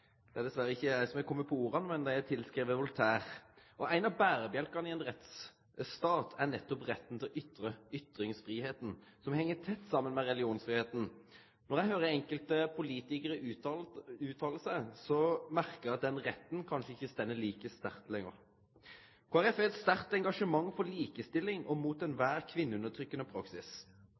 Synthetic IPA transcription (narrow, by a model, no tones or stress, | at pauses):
d̪̥ɛæɾd̪ɛsʋæɾəɪçːəæɪsɔmɛkʰɔmːəpʰɔuːɾɑnmɛnd̪ææt̪ʰɪlskɾiːʋəʋʊlt̪ʰæːʁʔɔʔæɪnɑbæːɾəbjɛlkɑnəɪɛnʁɛt̪s | st̪ɑːt̪ʰæɾnɛt̪ːɔpʁɛt̪ːənt̪ʰɪlɔʔʏt̪ɾəʏt̪ɾɪŋsfɾiːheːt̪n̩sɔmhɛŋːət̪ʰɛt̪ːsɑmːənmɛʁɛlɪuːnsfɾʁiːheːt̪n̩ | nɔɾʁjæɪɦøːɾəɛŋkəlt̪əpʰʊliːt̪ɪkəɾə | ʉːt̪ʰɑːll̩səsɔmæʁkəʁæɑt̪̚d̪ɛnʁɛt̪n̩kʰɑnʂəɪçːəst̪ɛnːəliːkəst̪æʁt̪lɛŋə̰ɾ | kʰɑʁɛfɛt̪st̪æʁt̪ɛŋɡɑʂəmɑŋːfɔliːkəst̪ɪlːɪŋʔɔmuːt̪ɛnʋæːʁkʰʋɪnːəʉnət̪ʰʁʏkːənəpʰɾɑksɪs